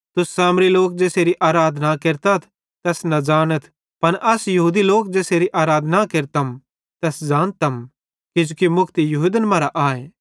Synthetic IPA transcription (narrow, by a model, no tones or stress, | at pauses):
t̪ʊsːaːmɾiloːk̚d͡ʒɛːseːɾiʔaːɾaːd̪ʱnakeːɾt̪at̪ʰ | t̪ɛːsnɐd͡ʒaːnət̪ʰ | pɐnʔɐsjɐɦuːd̪iloːkd͡ʒɛːseːɾiʔaːɾaːd̪ʱnakeːɾt̪ɐm | t̪ɛːsd͡ʒaːnt̪ɐm | kɪd͡ʒoːkimʊkʰt̪ijɐɦuːd̪ənəmãːɾaʔaːeː